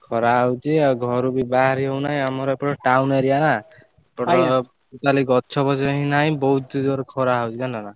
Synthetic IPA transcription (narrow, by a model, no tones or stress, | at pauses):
kʰɔɾaɦawt͡ʃʰiɡʱɔɾubibaɦaɾiɦewnaj̃amɔɾɔpɔɾɔʈawneɾijana | pɔɾɔ | it̪aliɡɔtːt͡ʃʰɔbɔsɔɦinaj̃bɔɦud̪ud̪ɔɾkʰɔɾaɦawt͡ʃʰikanlana